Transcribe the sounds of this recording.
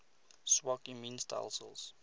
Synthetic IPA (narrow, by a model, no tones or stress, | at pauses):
swɔkĩmĩnstʰa̰ɪlsə̰ls